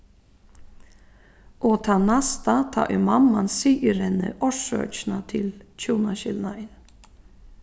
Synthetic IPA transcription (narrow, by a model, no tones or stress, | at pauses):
ʔɔt̪ʰanast̪at̪ʰɑ̰ːʔɪmamːansiːəɾɛnə̰ʔɔʂœ̰ːt͡ʃnat̪ʰɪlt͡ʃʰuːnaɕɪlnaɪn